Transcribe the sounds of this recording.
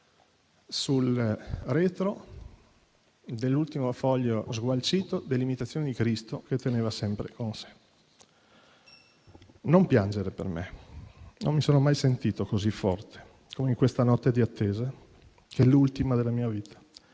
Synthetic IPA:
sulrɛːt̪ɾo | d̪elːult̪imofɔʎːozɡwalt͡ʃiːt̪od̪elːimit̪at̪sːjoːned̪ikɾist̪ok̟et̪ːeneːvasɛmpɾḛkonse̥ | nompjand͡ʒeɾepḛrmḛ | nʔo̰mːisoːnomajsent̪iːt̪okozifːɔ̰rt̪ʰe̥ | kʰomeiŋkwest̪anɔt̪ːed̪iat̪ːeːza | kɛlult̪imad̪elamiːaviːt̪ʰḁ

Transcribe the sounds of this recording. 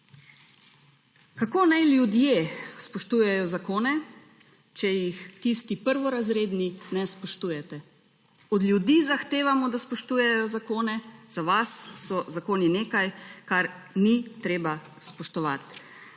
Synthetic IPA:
kakoːnajljud̪jespɔʃt̪uːjɛjɔzakoːnɛ | t͡ʃɛjixt̪ist̪ipəɾʋɔɾazɾeːd̪ninɛspɔʃt̪uːjɛt̪ɛ | ɔd̪ljud̪iːzaxt̪eːʋamɔd̪aspɔʃt̪uːjɛjɔzakoːnɛz̥aʋasːɔzakoːnineːkajkaɾ | nit̪ɾeːba | spɔʃt̪ɔʋat̪

